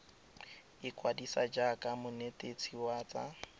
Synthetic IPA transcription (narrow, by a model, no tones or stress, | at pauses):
ɪkʼwadisad͡ʒakʼamʊnetet͡sʰiwaːt͡sʼa̰